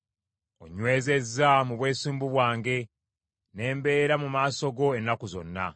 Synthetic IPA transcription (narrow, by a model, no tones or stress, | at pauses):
o̞̰ɲwe̞ːze̞zːamuβwe̞ːsiːmbuβwaːŋɡe̞ | ne̞ːmbe̞ːɾamumaːso̞ɡo̞enːakuzo̞̰nːa̰